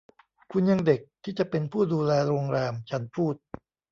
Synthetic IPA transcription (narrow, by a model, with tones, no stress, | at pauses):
kʰu˧nja˧ŋde˨˩k̚t̪ʰiː˥˩t͡ɕa˨˩ʔpe˧npʰuː˥˩duː˧lɛː˧ɾoː˧ŋɾɛː˧mt͡ɕʰa˦˥npʰuː˥˩t̪̚